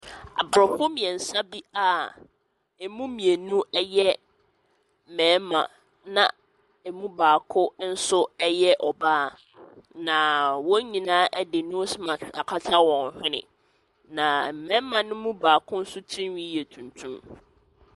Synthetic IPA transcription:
a̰˨bɾɔ˨ɸʊ˦mĩ˨ɛ˨n̩˨sa˦bi˦a˨ | ɛ˨mũ˦mĩ˨e˨nũ˦ʔɛ˦jɛ˦ | m̩˨mɛ̃˨˦mã̰˨ | nã̰˨ | ɛ˨mũ˦baː˨kʰʊ˦n̩˦sʊ˦ɛ˦jɛ˦ʔɔ˨baː˦˨ | nã˨wɔ̃˦ɲĩ˨nãː˦ʔɛ˦dɪ˨nũ˦smã˨a˨kʰa˦tʰa˦wɔ̃˨n˨hᶣɪ̃˦nɪ̰̃˨ | nã˨mɛ̃˦mã˨nʊ̃˦mũ˦baː˨kʰʊ̃˦n̩˦sʊ˦tʰĩ˦wĩ˦jɛ˨tʰũ˨ntʰũ˦m

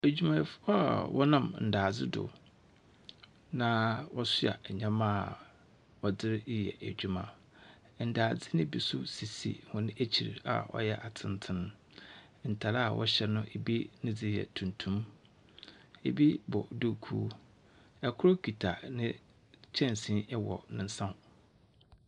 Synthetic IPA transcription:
æ˨d͡ʑᶣu˨mã˨jɪ˨fʊ˦a˨wʔɔ˦nã˦mn̩˨daː˨d͡zɪ˦dʊ̰˨ | nã˨wɔ˦sʊ˦a̰˨ɲã˦mã˦˨ | ɔ˨dɪ˦ɾi˦jɛ̰˨ʔæ˨d͡ʑᶣu˨mã̰˨ | n̩˨daː˨d͡zɪ˦nɪ̃˦bi˨sʊ˦si˨sḭ˨hʊ̃˨nɪ̃˦ʔæ˦t͡ɕʰi˨ɾa̰˨ɔ̰˦jɛ˦ʔa˨tʰɪ̃˦n˦tʰɪ̃˦n˦ | n̩˨tʰa˨ɾa˦˨wʔɔ̰˦ɕɛ˦nʊ̃˦ʔe˨bi˦nɪ̃˦d͡zɪ˦jɛ̰˨tʰũ˨ntʰũ˦m | ḛ˨bi˦bɔ̰˨du˦kʰu˦ | ɛ˨kʰʊ˦ɾo˦kʰᶣi˨tʰa̰˨nɪ̃˦ | t͡ɕʰɛ̃˦n˨sĩ˦ɛ˦wɔ˨nɪ̃˨n̩˦sã˦˨m˨

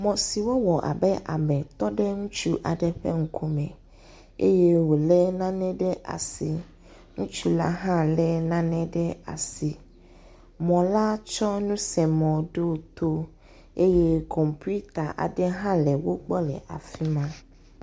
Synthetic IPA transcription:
mɔ̃˨si˨wo˦wɔ˨ʔa̰˨bɛ˦ʔa̰˨mɛ̃˨t̪ɔ˦dɛ˦ŋu˦t͡ʃu˦ʔa̰˨dɛ˨ɸɛ̰˦ŋ̩˨kʰu˦mɛ̰̃˨ | ḛ˦jɛ˦wo˨lɛ˦nã˦nɛ̃˦dɛ˦ʔa̰˨si˨ | ŋ̩˦t͡ʃu˦la̰˦ɦã˦lɛ˦nã˦nɛ̃˦dɛ˦a̰˨si˨ | mɔ̃˨la˦t͡ʃɔ˦nũ˦sɛ˨mɔ̃˨do˦˨t̪ʰo˦ | e˦jɛ˦kʰɔ˨mpu˦t̪a˨ʔa̰˨dɛ˦ɦã˦lɛ˨wo˦k͡pɔ˦lɛ̰˨ʔa˨fi˦mã˦

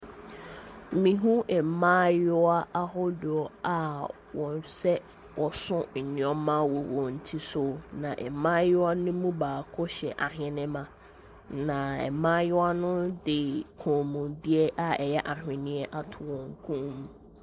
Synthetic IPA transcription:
mĩ˨ɦũ˦ʔɛ˨mãː˦jʊ˦a˦ʔa˦ɦɔ˦dʊ˨ɔ˨a˨ | wɔ̃˨nsɛ˦ | wʔɔ˨sʊ̃˦n̩˨nɪ̃˨ɔ˦mã˦wɔ˨wɔ̃˨n̩˨tʰi˦so˨nã˨ʔɛ̰˨mãː˦jʊ˦a˦nʊ̃˦mũ˦baː˨kʰɔ˦ɕɛ˨ʔa˨hɛ̃˨nɪ̃˦mã˨ | nã˨ɛ̰˨mãː˦jʊ˦a˦nʊ̃˦dɪ˨kʰɔ̃ː˨mũ˨dɪ˦ɛ˦ʔa˨ɛ˨jɛ˦ʔa˨ɦᶣɪ̃˨nɪ̃˦ɛ˦ʔa˨tʰʊ˨wɔ̃˨ŋ˦kʰũ˦m̃˦

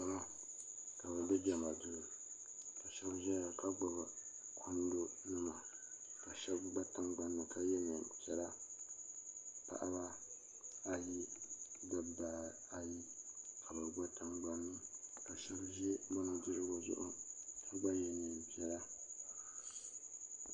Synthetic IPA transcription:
a˦ma˦ | ka˨ba˨bɛ˦d͡ʒɛ˨ma˨dʊ˦˨ɾʊ˨ | ka˨ʃɛ˦bʒɛ˦a˨ka˦ɡ͡ba˨ba˨ | kʰʊ˦n˦do˦nɨ˦ma˨ | ka˨ʃɛ˦bɡ͡ba˦ta˦ŋɡ͡ba˦nːɨ˨ka˦jɛ˦nɨ˨pɛ˦la˦ | pa̰˦ʔa˦ba˦ | a˨ji˦da˨baː˨ | a˨ji˦kʰa˨ba˨ɡ͡ba˦ta˦ŋɡ͡ba˦nːɨ˦ka˨ʃɛ˦bʒɛ˦ba˦nɨ˨dɨ˦ɾɨ˦ɡo˨zʊ̰˦ʔʊ̰˦ka˦ɡ͡ba˦jɛ˨nɨ˨pi˦ɛ˦la˦

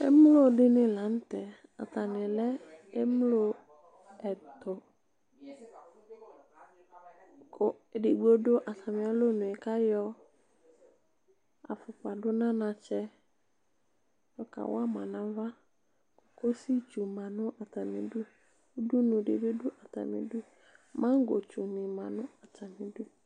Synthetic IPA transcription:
ḛ˦m˦lo˦dɪ˦nɪ̃˨lã˨˦n̩˦t̪ɛ˨ | a̰˨t̪a˨nɪ̃˨lɛ˦e˦mlo˦ | ɛ˨t̪ʊ˨ | ko˨dɪ˨ɡ͡bo˦dʊ˦ʔa˨ta˨mɪ̃˨a˦lo˦nʊ̃˨ɪ˨ka˦jɔ˦ | a̰˨fʊ˨k͡pa˨dʊ˦nã˦nã˨t͡ʃɛ˦ | ɔ˨ka̰˨wa˦mã˨nã˨˦va˦ | ɔ˨ko˦si˦t͡ʃu˨mã˨nʊ̃˦ʔa˨ta˨mɪ̰̃˨du˦ | du˦nʊ̃˨de˨be˦du˦ʔa˨ta̰˨mɪ̰̃˨du˦ | mã˦ŋ˦ɡo˨t͡ʃu˨nɪ̃˨mã˨nʊ̃˦a˨tʰa˨mɪ̃˨du˦

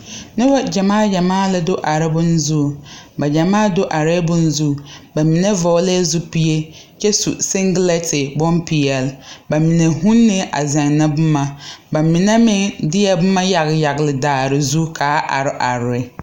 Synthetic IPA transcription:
nɪ˦ba˦d͡ʒa˨maː˦d͡ʒa˨maː˦la˦dʊ˦ʔa˨ɾɪ˦bʊ˦n˦zu˦˨ | ba˨d͡ʒa˨maː˦dʊ˦ʔa˨ɾɛ˦bʊ˦n̩˦zu˦˨ba˨mi˨ne˦vɔ˨˦lɛ˦zu˦pi˦je˦ | t͡ʃɛ˦sṵ˨sɪ˦ŋɡlɛ˦tʰɪ˨bɔ˦npʰi˨jɛ˨lba˨mi˨ne˨hũ˦nːɪ˦ʔa̰˨zɛ˨ŋ˨na˦bʊ˦ma˨ba˨mɪ˨nɛ˦mɪ˦dɪ˦ɛ˨bʊ˦ma˦ja˨ɣɪ˨ja˨ɣɪ˨lɪ˨daː˨ɾɪ˨zu˦kʰaː˨˦ʔa̰˨ɾɪ˦ʔa˨ɾɪ˦

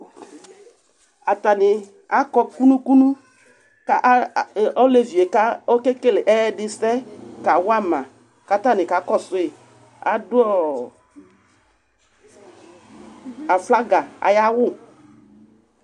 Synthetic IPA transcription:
a˨ta˨nɪ˨ | a˦kɔ˦ku˦nũ˦ku˦nu˦ | ka˦ʔɔ˦le˨vi˨e˨ka˦o˦ke˦ke˦lɪ˨ʔɛ˦dɪ˦sɛ˦ka˨wʊ˦a˦˨mã˨ | ka˨˦ta˦˨nɪ˨ka˨˦kɔ˦sʊ˦ɪ˨ | a̰˨dʊ˦ɔ˦˨ | a˨fla˦ɡa˨a̰˨ja˦wʊ˦˨

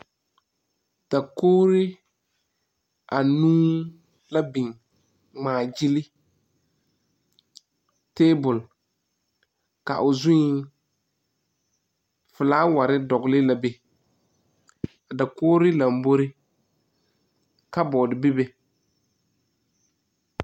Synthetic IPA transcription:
d̥a˨koː˦ɾɪ˦ | a˨nuː˦ | la˦bi˨ŋ | ŋ͡maː˨d͡ʒi˦lɪ˦ | teː˦bʊ˨l | ka̰˨ʔʊ˨zʊ˦ | fʊ˨laː˦wa˨ɾɪ˦dɔ˨ɡlɪ˦la˨be˨ | a˨da˨koː˦ɾɪ˦la˨m˨bo˦ɾɪ˦ | ka˦bɔ˨dɪ˨bɪ˦be˨

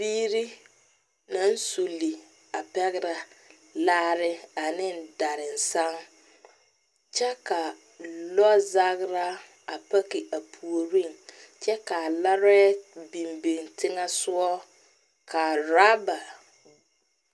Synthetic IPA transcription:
biː˦ɾi˦ | na˦n̩˦su˨li˨ | a˨pɛ˦ɣɪ˦ɾa˨ | laː˦ɾɪ˦a˨nɪ˦n˨da˨ɾɪ˨n̩˨sa˦ŋ | t͡ʃɛ˦ka˨ | lɔ˦za˦ɣɾa˦ | a˨pa˦kɪ˨ʔa˨pʰu˨o˨ɾi˦˨ŋ | t͡ʃɛ˦ka˨la˦ɾɛ˦bi˨mbi˨ŋtɪ˦ŋa˦sʊ˦ɔ˦ | kʰa˨ɾaː˦ba˨

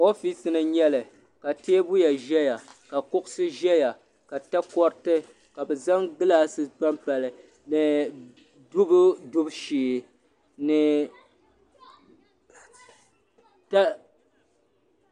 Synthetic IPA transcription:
o˦fi˦sɨ˨nɨ˨ɲɛ˦lɨ˨ | ka˨teː˦bʊ˦ja˨ʒɛ˦ja˨ka˨kʊ˦ʔʊ˦sɨ˦ʒɛ˦ja˨ | ka˨ta˦kɔ˦ɾtɨ˦ | ka˨bɨ˨za˦ŋɡɨ˦laː˦sɨ˦pa˦mpa˨lɨ˨ | nɨ˨ | du˦bʊ˦dʊ˦bʃiː˨˦˨ | nɨ˨ | ta˦

